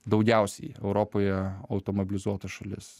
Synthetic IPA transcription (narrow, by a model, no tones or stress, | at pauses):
d̪ɒʊɡʲɛˑʊsʲɛjɛʊɾoːpoːjɛɐʊt̪oːmobʲɪlʲɪzuɔt̪ɐʃɐlʲɪ̰s